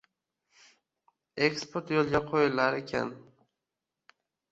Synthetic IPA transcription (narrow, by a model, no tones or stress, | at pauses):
ekspʰoɾt̪jolˠɡʲaqʰojɪlaɾekʲʰa̰n